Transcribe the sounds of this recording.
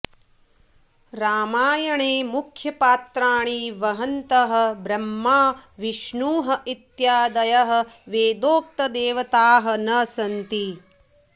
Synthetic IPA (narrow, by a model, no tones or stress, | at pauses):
ɾaːmaːjɐɳeːmukʰjɐpaːt̪ɾaːɳiːʋɐɦɐnt̪ɐɦɐ̆bɾɐmːaːʋiʃɳuːɦɐit̪jaːd̪ɐjɐɦɐ̆ʋeːd̪oːk̚t̪ɐd̪eːʋɐt̪aːɦɐ̆nɐsɐnt̪i